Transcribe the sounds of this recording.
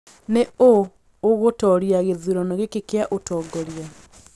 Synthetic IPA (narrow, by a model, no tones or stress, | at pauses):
neoː | ɣotɔɾiaɣeðuɾɔnɔɣekekeaʔotɔːɡɔɾja